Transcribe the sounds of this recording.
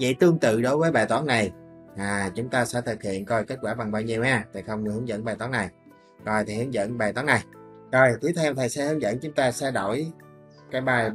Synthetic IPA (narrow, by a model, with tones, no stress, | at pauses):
vḭ˧˨jt̪ɨ˧əŋt̪ɨ̰˧˨ɗo˨˦jvəː˨˦jɓaː˨˩jt̪wɔ˨˦nna˨˩jʔaː˨˩t͡ɕʊ˨˦ŋ͡mt̪aː˧sɛ̰˧˥t̪ʰɨ˨˩k̚hḭ˧˨ənkɔ˧jke˦˥t̚kwaː˧˩va˨˩ŋɓaː˧wɲi˨˧˩əwʔaː˧t̪ʰi˨˩xə˧wŋ͡mhɨ˨˦əŋzə̰˧˥nɓaː˨˩t̪ɔ˨˦na˨˩j | kɔ˧˩jt̪ʰi˨˩hɨ˨˦nzə̰˧˥˨nɓaː˨˩jt̪ɔ˨˦na˨˩j | zɔ˨˩jt̪i˨˦t̪ʰɛ˧wt̪ʰaː˨˩jsɛ̰˧˥hɨ˨˦ŋzə̰˧˥˨nt͡ɕʊ˨˦ŋ͡mt̪aː˧sɛ̰˧˥ɗo˧˩j | kaː˨˦jɓaː˨˩j